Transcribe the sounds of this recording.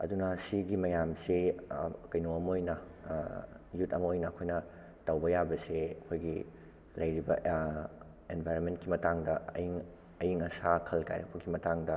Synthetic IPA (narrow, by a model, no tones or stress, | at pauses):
ɐ̰dunɐsiɡimɐjamsikɐjnoɐmɐojnɐ | jutɐmɐojnɐːkʰojnɐ | tɐwbɐjabɐseɐkʰojɡi | lɐjɾibɐ | enbʱajɾonmentkimɐtaŋdɐɐ̰jiŋ | ɐjiŋɐsakʰɐlka̰jɾɐ̰k̚pʰɐɡimɐtaŋdɐ